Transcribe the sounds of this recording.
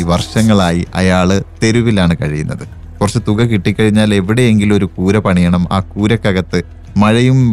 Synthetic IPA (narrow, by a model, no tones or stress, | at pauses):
iʋɐrʂɐŋːɐɭaːjiʔɐ̰jaːɭt̪e̞ɾuʋilaːɳɨkɐɻijunːɐðɨ | kurɐt͡ɕːet̪uɣɐkiʈːikʲːɐɻiɲːaːle̞ʋiɽe̞eŋɡilo̞ɾukuːɾɐpɐɳijɐɳɐma̰ːkuːɾɐkːɐɣɐt̪ːɨ | mɐɻɐjum